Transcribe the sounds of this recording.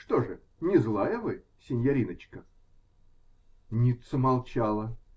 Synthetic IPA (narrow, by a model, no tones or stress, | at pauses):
ʂt̪oʐɨ | nʲɪzlˠajəvɨ | sʲɪnʲjɐɾʲinət͡ɕkə | nʲit̪səmɐlˠt͡ɕalˠə